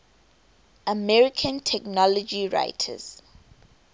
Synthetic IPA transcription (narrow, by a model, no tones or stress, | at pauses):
əmɛɹikʰə̃ntʰɛknɔlɔd͡ʒiɹa̰ɪtʰə̰z̥